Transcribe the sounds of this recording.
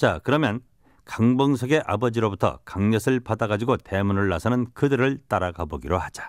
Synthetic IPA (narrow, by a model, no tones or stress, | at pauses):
t͡ɕakɯɾʌmjʌn | kaŋbʌŋsʰʌɡe̞ʔabʌd͡ʑiɾobutʰʌ̰kaŋɲʌsʰɯɭpadaɡad͡ʑiɡote̞munɯɭːasʰʌnɯnkɯdɯɾɯɭt͈aɾaɡaboɡiɾohad͡ʑḁ